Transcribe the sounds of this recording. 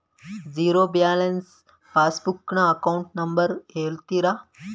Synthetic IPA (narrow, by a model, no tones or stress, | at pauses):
d͡ziːɾobjaːlens | faːsbukɳaɐkauɳʈnɐmbəɾɦeːlt̪iɾa